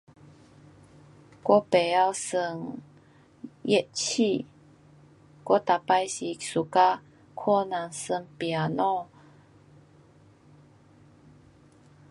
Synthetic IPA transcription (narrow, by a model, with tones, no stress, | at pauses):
kɔ˦pe˨a˧wsə˧˩ŋ | jɛ˦˥ʔt͡ɕʰi˥˧˨ | kɔ˦t̪a˨pa˧jsi˨su˨ka˦ | kʰɔ˥˦nã˨˩ŋsə˧˩ŋpja˨nɔ̃˥˧˨